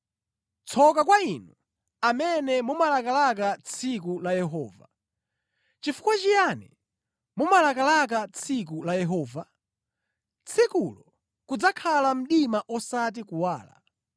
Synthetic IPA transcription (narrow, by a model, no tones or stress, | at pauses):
t͡sʰɔkakwainu | amɛnɛmumalakalakat͡sʰik̬ulajɛɦɔːva | t͡ʃifu̥kwat͡ʃijanɛ | mumalakalak̬at͡sʰik̬ulajɛɦɔːva | t͡sʰikulɔ | kud͡zakʰalam̩ɗimaʔɔsat̬ikuwaːla̰